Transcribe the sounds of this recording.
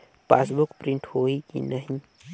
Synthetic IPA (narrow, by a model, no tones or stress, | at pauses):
paːsbʊkpɾɪ̃ɳʈhoikḭnəɦĩ